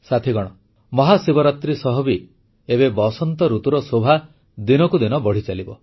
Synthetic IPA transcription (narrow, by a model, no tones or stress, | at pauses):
sat̪ʰiɡɔɽ̃ɔ | mɔɦasibɔɾat̪ɾisɔɦɔbi | ebebɔsɔnt̪ɔɾut̪uɾɔsobʱa | d̪inɔkud̪inɔbɔɽ̤it͡ʃalibɔ